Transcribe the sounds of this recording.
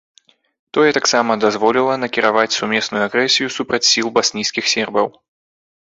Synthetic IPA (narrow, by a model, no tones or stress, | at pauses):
t̪ɔjɛt̪aksamɐd̪azvɔlʲilˠɐnɐkʲiɾavat͡sʲsumʲɛsnujuaɣɾɛsʲijusupɾɐt͡sʲsʲilˠbasʲnʲijskʲixsʲɛrbɐw